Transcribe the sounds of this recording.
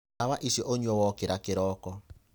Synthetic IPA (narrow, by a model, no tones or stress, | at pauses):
aβaʔisjɔʔoɲwɔwɔkɪɾakɪɾɔːkɔ